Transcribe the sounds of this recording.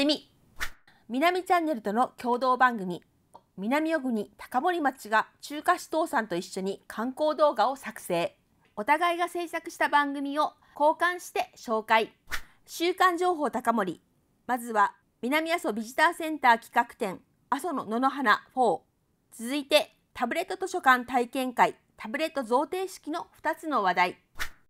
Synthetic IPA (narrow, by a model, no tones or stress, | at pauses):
mʲi | mʲinamʲit͡ɕãnːe̞ɾɯ̟t̪o̞no̞kʲo̞ːd̪o̞ːbãŋɡɯ̟mʲi | mʲinamʲio̞ɡɯ̟ɲ̟it̪ḁkamo̞ɾʲimat͡ɕiɡat͡ɕɨːkaɕi̥t̪o̞ːsãnt̪o̞iɕːo̞ɲ̟ikʰãŋko̞ːd̪o̞ːɡao̞sakɯ̟̥se̞ː | o̞t̪aɡaiɡase̞ːsakɯ̟ɕi̥t̪abãŋɡɯ̟mʲio̞ | ko̞ːkãɰ̃ɕi̥t̪e̞ɕo̞ːkai | ɕɨːkãɲ̟d͡ʑo̞ːɦo̞ːt̪akamo̞ɾʲi | mazɨβa | mʲinamʲiaso̞bʲiʑit̪aːsẽ̞nt̪aːkʲi̥kakɯ̟̥t̪ẽ̞ŋ | aso̞no̞no̞noɦanaɸo̞ː | t͡sɨzɨit̪e̞ | t̪abɯ̟ɾe̞t̪ːot̪o̞ɕo̞kãnt̪aikẽ̞ŋkai | t̪ʰabɯ̟ɾe̞t̪ːo̞zo̞ːt̪e̞ːɕi̥kʲino̞ɸɯ̟̥t̪at͡sɨno̞βad̪ai